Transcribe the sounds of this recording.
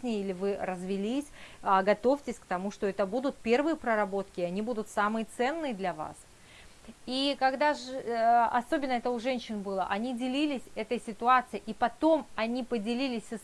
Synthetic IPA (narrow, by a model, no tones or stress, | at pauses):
nʲɪjilʲɪvɨrəzvʲɪlʲisʲɡɐt̪o̞fʲtʲɪsʲkt̪ɐmuʂt̪oɛt̪əbud̪ʊt̪̚pʲe̞rvɨjəpɾəɾɐbo̞t̪kʲɪiɐnʲibud̪ʊt̪samɨjət̪sɛnːɨjəd̪lʲɐva̰s | ikɐɡd̪aʐɐ̰so̞bʲɪnːəɛt̪əʊʐɛnʲɕːɪnbɨlˠə̰ʔɐnʲidʲɪlʲilʲɪsʲɛt̪əjsʲɪt̪ʊat̪sɨɪʔipɐt̪o̞mɐnʲipədʲɪlʲilʲɪsʲəs